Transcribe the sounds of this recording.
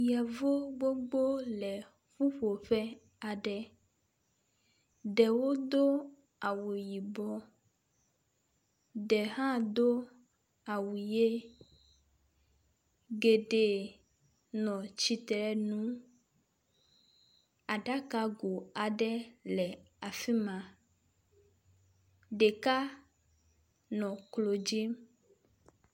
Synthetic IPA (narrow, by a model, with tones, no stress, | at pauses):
jɛ˨vo˦ɡ͡bo˦ɡ͡bo˦lɛ˨ | ɸu˦ɸo˨ɸɛ˦ | a˨ɖɛ˦ | ɖɛ˨wo˦d̪o˦ | a˨wu˨ji˨bɔ˦ | ɖɛ˨ɦã˦d̪o˦ | a˨wu˨je˦ | ɡe˨ɖe˨ | nɔ̃˨t͡ɕi˦t̪ɾɛ˦nũ˦ | a˨ɖa˦ka˦ɡo˨a˨ɖɛ˦lɛ˨ | a˨fi˦mã˨ | ɖe˨ka˦ | nɔ̃˨klo˨d͡ʒi˦m